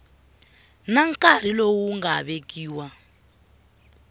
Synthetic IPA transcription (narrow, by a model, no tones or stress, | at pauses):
naŋkaɾ̤ilowuŋɡaβekiːwa